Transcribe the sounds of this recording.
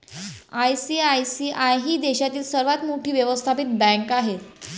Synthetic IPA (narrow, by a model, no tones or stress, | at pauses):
ajsiajsiʔajɦiːd̪eɕat̪iːlsəɾʋat̪moʈʰiːʋjəʋəst̪ʰapit̪̚bɛ̃kaɦet̪